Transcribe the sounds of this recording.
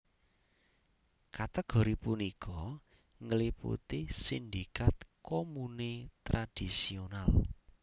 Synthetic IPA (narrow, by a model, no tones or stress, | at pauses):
kat̪ɛɡ̥ɔ̤ɾipunikʰɔ | ŋəlipṵt̪isind̪ikat̪komunet̪ɾad̥isional